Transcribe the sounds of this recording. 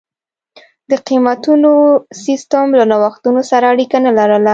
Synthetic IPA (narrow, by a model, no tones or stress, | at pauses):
d̪əqimat̪unosist̪amlanawaxt̪unosaɾaːɽikanalaɾəla